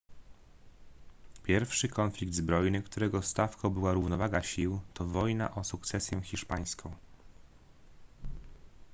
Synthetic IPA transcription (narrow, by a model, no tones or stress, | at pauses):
pʲjɛɾfʂɘkʰɔnflʲik̚d̪zbɾɔjnɘkt̪uɾɛɡɔst̪afkɔ̃w̃bɘwaɾuvnɔvaɡaɕiwt̪ɔvɔjna̰ʔɔsukt̪sɛsʲjɛxʲiʂpaj̃skʰɔ̃w̃